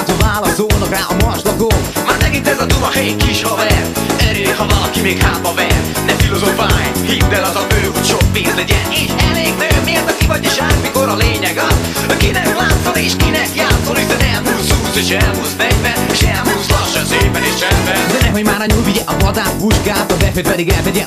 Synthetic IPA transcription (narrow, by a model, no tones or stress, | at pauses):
t̪ovaːlɒzoːnokaːʔɒmɒrʃlɒɡoː | maːɾnɛkint̪ɛzɒt̪umɒhɛjkiʃhovɛr | ɛɾøːhɒvɒlɒkimeːkhaːbɒvɛr | nɛfilozofaːjhind̪ɛlɒzɒbøːut̪ʃok̚peːst̪ɛdiɛneːʃɛleːɡmɛɡmeːrt̪ɒkivɒɟeʒaːrmikoɾɒleːɲɛɡɒ | ɒkinɛklaːt̪sɒneːʃkinɛkjaːt̪solyzɛnɛlmuːshuːzeːʃɛlɦuːsmɛɟvɛneʃɛlmuːzlɒʃːɛseːpɛneːʃɛmbɛd̪ɛnɛɦojmaːɾɐɲulviɛʔɒvɒd̪aːt̪vuʒɡaːt̪ɒvɛføt̪vɛɾiɡaːt̪ɛdiɛ